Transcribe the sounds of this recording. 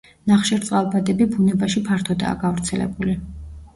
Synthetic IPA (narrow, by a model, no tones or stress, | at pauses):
naχʃɛɾt̪sʼalˠbad̪ɛbibunɛbaʃipʰaɾt̪ʰɔd̪a̰ːɡavɾt̪sʰɛlɛ̰buli